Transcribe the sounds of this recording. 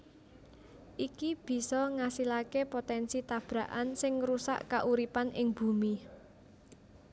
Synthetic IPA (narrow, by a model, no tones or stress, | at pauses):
ʔikib̥i̤sɔŋasilakepot̪ɛnsit̪ab̥ɾa̤ʔansɪŋːɾusa̰ʔkaʔuɾipanʔɪŋb̥ṳmi